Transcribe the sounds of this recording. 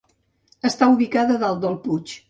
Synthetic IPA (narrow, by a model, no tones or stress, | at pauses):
əst̪auβikaðəðalˠd̪əlˠput͡ʃ